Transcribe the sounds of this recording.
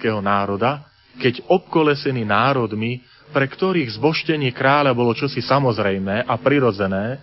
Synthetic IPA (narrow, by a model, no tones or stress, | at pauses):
kɛːɦɔnaːɾɔd̪a | kɛɟɔp̚kɔlɛsɛninaːɾɔd̪mi | pɾɛkt̪ɔɾiːɣzbɔʃcɛɲɪɛkɾaːʎabɔlɔt͡ʃɔsisamɔzɾɛjmɛːʔapɾiɾɔd͡zɛnɛː